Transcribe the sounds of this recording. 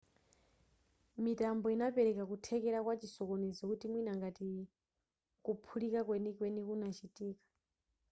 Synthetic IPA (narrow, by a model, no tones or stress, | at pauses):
mitambɔinapɛɾɛkakutʰɛkɛɾakwat͡ʃisɔkonizɔkutimwinaŋɡati | kupʰulikakwenikwenikunat͡ʃʰitʼiːkḁ